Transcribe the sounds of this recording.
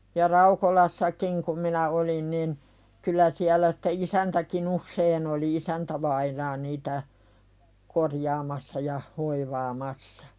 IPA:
jɑ rɑukolɑsːɑkiŋ kum minæ olin nin kylˑæ siælˑæ si̥tːe isæntækin usːein oli isæntæʋɑinɑː niːtæ korjɑːmɑsːɑ jɑ hoiʋɑːmɑsːɑ̥

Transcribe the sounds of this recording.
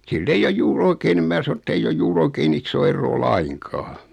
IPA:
silː eij oj juːr oikeː nĭm mæː sɑno etːeij oj juːr oikeːn isːoː erːoː lɑiŋkɑː

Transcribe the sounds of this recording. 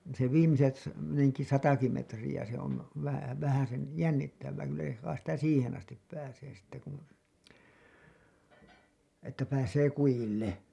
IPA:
se ʋiːmiset neŋki sɑtɑki metrijæ se on ʋæ ʋæhæsen jænːitːæʋːæː kylːæ jos ʋɑin sitæ siːhen ɑstip pæːseː sitːe kun etːæ pæːseː kujilːe

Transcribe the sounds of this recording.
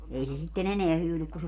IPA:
ei se sitːen eneæ hyːlyk ku se

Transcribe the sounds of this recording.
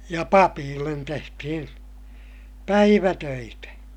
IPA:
jɑ pɑpiːlːen tehtihin pæiʋætøitæ

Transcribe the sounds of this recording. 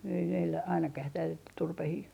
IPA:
ei meilːæ ɑinɑkɑh ei tæːl turpehiː

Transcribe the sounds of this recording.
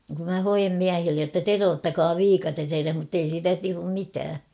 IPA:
kum mæ hojem miæhilːej jotːɑ teroːtːɑkɑː ʋiːkɑtes ereh mutːei siːtæ tuːm mitæː

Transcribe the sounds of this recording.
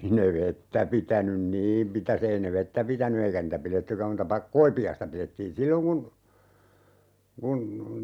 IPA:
ne ʋetːæ pitænyn niːm mitæs ei ne ʋetːæ pitæny eikæ niːtæ piletːykæm muːtɑ koipiɑistɑ piletːiːn silːoŋ kun kun

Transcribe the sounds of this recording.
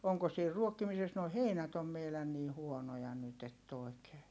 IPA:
oŋko siːr ruokːimises noi heinæt om meilæn niː huonojɑ nyt etː oˑi̯keː

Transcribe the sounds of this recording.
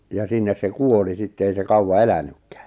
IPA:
jɑ sinːes se kuoli sitːe ei se kɑuwɑ elænykːæ̥ː

